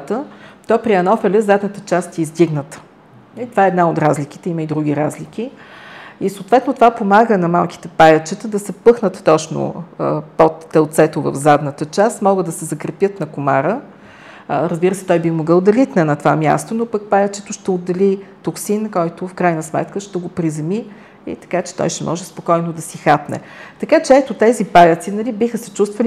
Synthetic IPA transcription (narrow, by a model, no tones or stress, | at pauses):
t̪ət̪ɔpɾiɐnɔfɛlʲɛzad̪nət̪ə̥t͡ʃast̪ɛizd̪iɡnət̪ə̥ | it̪ovaɛːd̪naot̪ɾazlik̟i̥t̪ɛiməid̪ɾuɡʲiɾazlik̟ʲi | isoːt̪vɛt̪not̪ovapomaɡənɐmalˠki̥t̪ɛpajət͡ʃɛt̪əd̪ɐsɛpɤxnət̪ːɔt͡ʃno̰pot̪ːɛlˠt̪sɛt̪ovə̰vzad̪nət̪ət͡ʃast̪mɔɡəd̪ɐsɛzɐkɾɐpjət̪nɐkomaɾə | ɾəzbiɾəsɛ̥t̪ɔjbixmoɡɤlˠd̪ɐlit̪nɛnɐt̪ovamʲja̰st̪onopək̚pajət͡ʃɛt̪ʊʃt̪ɛod̪ːɛlit̪oksinkɔjt̪ʊfkɾajnəsmɛ̰t̪kəʃt̪ɛɡopɾizɛmi | ḭt̪ɐ̥kat͡ʃɛ̥t̪ɔ̰jʃt̪ɛmʔɔ̰ʒɛspokɔjnod̪ɐsixapnɛ̰t̪ɐkat͡ʃɛɛt̪ʊt̪ɛzipajət̪sinɐlibixəsɛt͡ʃust̪vəli